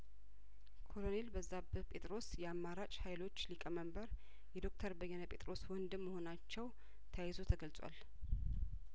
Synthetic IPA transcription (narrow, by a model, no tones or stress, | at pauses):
kʰo̞lo̞ne̞lbəzːabpʼʰe̞t̪ʼɾo̞sjɛamːaɾat͡ʃʼhajlo̞t͡ʃːlikʼəməmbəɾ | jɛd̪o̞k̚t̪ʰəɾbəjːɛnəpʼe̞t̪ʼɾo̞swɔnd̪ɨmːəho̞nat͡ʃːɛw | t̪ʰəjajizot̪ʰəɡəlsʼwa̰l